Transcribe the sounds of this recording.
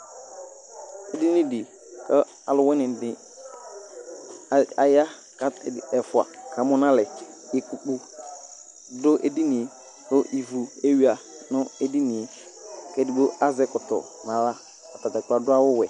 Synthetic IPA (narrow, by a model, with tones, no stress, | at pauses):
e˦di˦nɪ̃˦di˨ | kɛ˦ | a˨lʊ˨˦wɛ˦nɪ̃˨dɪ˨ | a˨ja˦ | ka˨ɛ˨fʊ˨a̰˨kʰa˨mʊ˦nã˦lɛ˨ | ɪ˨ku˨k͡pu˦ | dʊ˦ʔḛ˦di˦nɪ̃˨e˨ | ɾʊ˦ʔi˨vu˨e˦ɥi˦a˨ | nʊ̃˦e˦di˦nɪ̃˨e˨ | kɛ˦di˨ɡ͡bo˦a˦zɛ˦kʊ˨tɔ̰˨ | nã˨la˦ | a˨ta˨ta˨k͡pa˨dʊ˦a˦wʊ˦wɛ˨